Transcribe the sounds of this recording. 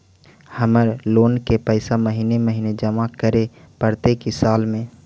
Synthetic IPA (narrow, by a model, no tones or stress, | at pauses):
həməɾloːnkepəɪsaməɦiːneməɦiːned͡ʒəmakəɾepəɾt̪ekisaːlmẽ